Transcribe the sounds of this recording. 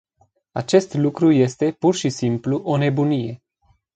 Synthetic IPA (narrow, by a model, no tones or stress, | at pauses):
a̰t͡ʃe̞st̪lukɾuje̞st̪e̞purʃisimpluʔo̞ne̞bunije̞